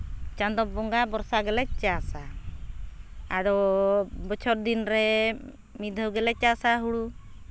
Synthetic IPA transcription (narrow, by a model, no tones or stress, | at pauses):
t͡ʃand̪ɔbɔŋɡabɔɾsaɡɛlɛc̚t͡ʃasa | aɾɔbɔt͡ʃʰɔɾ̚d̪inɾɛ | mid̪ʱəwɡɛlɛc̚t͡ʃasaɦuɽu